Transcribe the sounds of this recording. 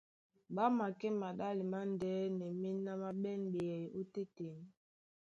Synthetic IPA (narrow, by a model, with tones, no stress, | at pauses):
ɓa˦ma˨kɛ˦ma˨ɗa˦li˨ma˦ndɛː˨˦nɛ˨mi˦nː˦a˦ma˦ɓɛ˦nɓe˨ɛ˨o˦te˦te˨n˨˦